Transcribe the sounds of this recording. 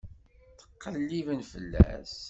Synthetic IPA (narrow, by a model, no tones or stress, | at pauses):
θə̥qːəlːivənfə̰lːæ̰s